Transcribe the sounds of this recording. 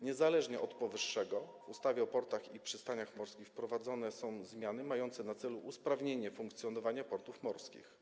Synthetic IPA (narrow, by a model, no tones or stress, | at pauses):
ɲɛzalɛʐɲɛʔɔt̪pɔvɘʂːɛɡɔvust̪avʲjɛɔpɔɾt̪axipʂɘst̪aɲaxmɔɾskʲixpɾɔvad̪zɔnɛsɔ̃w̃zmʲjanɘmajɔnt̪sɛnat̪sɛluʔuspɾavɲeɲɛfuŋkt̪sʲjɔnɔvaɲapɔɾt̪ufmɔɾskʲḭx